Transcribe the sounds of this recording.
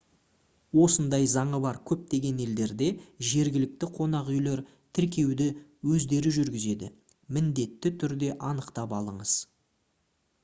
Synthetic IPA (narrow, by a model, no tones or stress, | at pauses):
wo̞sənd̪ɑjzɑɴəbɑɾkʲʰɵp̚t̪e̞ɡʲe̞ne̞ld̪e̞ɾd̪e̞ʒe̞ɾɡʲɪlɪk̚t̪ɪqʰo̞nɑqʏjle̞ɾ | t̪ʰɪɾk̬ʲe̞wd̪ɪwɵzd̪e̞ɾɪʒʏɾɡʲɪze̞d̪ɪ̰ | mɪnd̪e̞t̪ːɪt̪ʰʏɾd̪e̞ʔɑnəqt̪ɑpɑlˠəɴəz̥